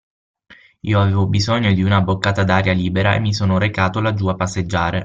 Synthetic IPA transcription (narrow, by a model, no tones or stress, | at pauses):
ḭːoaveːvobizoɲːod̪iunabokːaːt̪ad̪aːɾjaliːbeɾaḛmːisoːnoɾekaːt̪olad͡ʒːuapːasːed͡ʒːaːɾe